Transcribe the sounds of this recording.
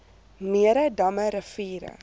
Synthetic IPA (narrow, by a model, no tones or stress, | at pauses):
miəɾədɐməɾəfiːɾə̰